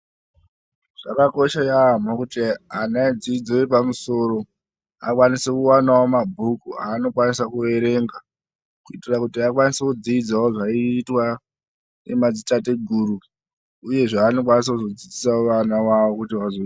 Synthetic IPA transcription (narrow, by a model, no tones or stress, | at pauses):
ʐ̥akako̞ʃajam̤okutianad͡ziid͡zoipamuso̞ɾo̞ | a̰kwanise̞kuwanawomabʱukuaːno̞kwanisakue̞ɾe̞ŋɡa | kuitirakutiakwanisekud͡ziid͡zaoʐaiːtwa | ne̞mad͡zitate̞ɡʱuɾu | uje̞ʐeano̞kwanis̬akuzod͡zid͡zisaoʋanawawo̞kutiʋazoi